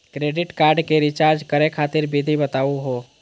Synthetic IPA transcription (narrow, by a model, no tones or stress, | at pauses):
kɾeːɖɪʈkaːɾɖkeɾɪt͡ʃaːɾd͡ʒkəɾekʰaːt̪ɪɾbʱɪd̪ʱibət̪aːuɦoː